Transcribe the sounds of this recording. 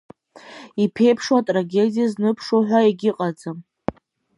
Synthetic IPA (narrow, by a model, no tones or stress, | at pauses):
ipʰe̞jpʰʂwatʼraɡʲe̞dʲijaznɨpʰʂoħʷᶣaeɡʲɪqʼad͡zam